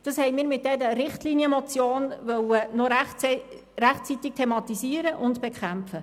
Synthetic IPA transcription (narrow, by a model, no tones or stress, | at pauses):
d̥ɑshɛɪmiːɾmɪt̪̚d̥ɛd̪əɾɪχtliːniəmɔt͡sjoːnʋœwənɔɾ | ɾæχt͡sit̪ɪk̚tʰemɑt̪isiəɾəʔʊndb̥ekʰæmfə